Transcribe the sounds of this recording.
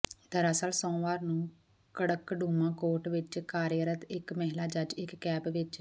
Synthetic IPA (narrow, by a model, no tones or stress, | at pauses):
d̪əɾaːsaːlsɔ̃ːʋaːɾnũː | kəɽəkɖuːmãːkoːɾʈʋɪt͡ʃkaːɾjəɾət̪ɪkmɛɦlaːd͡ʒəd͡ʒɪkːɛːbʋɪt͡ʃ